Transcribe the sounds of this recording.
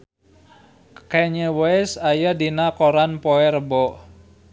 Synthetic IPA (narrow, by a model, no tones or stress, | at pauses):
kɛɲəwɛsajadinakoɾanpoɛɾəbɔʔ